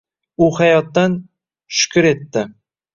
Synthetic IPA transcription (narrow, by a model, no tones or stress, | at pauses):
ʊhajɒt̪ːan | ʃʊ̥kʰʲʊɾe̞t̪ːɪ